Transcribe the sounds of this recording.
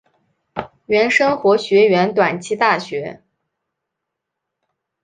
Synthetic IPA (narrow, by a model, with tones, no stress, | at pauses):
ɥɛ˧˥nʂɤ˥ŋxwɔ˧˥ɕɥɛ˧˥ɥɛ˧˥nt̪wa˨˩nt͡ɕʰi˥t̪a˥˩ɕɥɛ˧˥